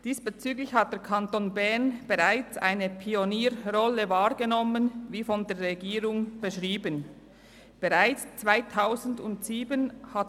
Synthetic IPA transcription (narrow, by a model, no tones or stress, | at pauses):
d̥iːsb̥et͡syːɡlɪçhat̚d̥eːɐkʰantoːnbɛɐnb̥eʁaɪt͡sʔa̰ɪnəpʰioniːɾʁɔləvaːʁɡ̥enɔmənviːfɔndeːɐɾʁɛɡiːʁʊŋb̥eʃʁiːbən | b̥eʁaɪt͡st͡sv̥aɪtʰaʊzn̩dʊntsiːbənhat